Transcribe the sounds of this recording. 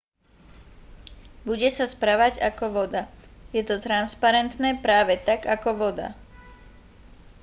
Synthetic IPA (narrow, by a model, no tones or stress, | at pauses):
buɟɛsaspɾaʋaɟakɔʋɔd̪ajɛt̪ɔt̪ɾanspaɾɛnt̪nɛːpɾaːʋɛt̪aɡakɔʋɔd̪a̰